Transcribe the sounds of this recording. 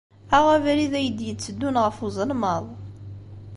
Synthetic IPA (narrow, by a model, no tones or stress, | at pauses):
aʁævɾiðæjəd̪jət͡sːəd̪ːunʁəfuzˤəlməðˤ